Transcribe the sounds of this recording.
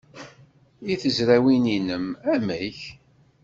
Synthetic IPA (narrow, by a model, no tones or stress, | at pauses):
iθəzɾæwininəmæmæç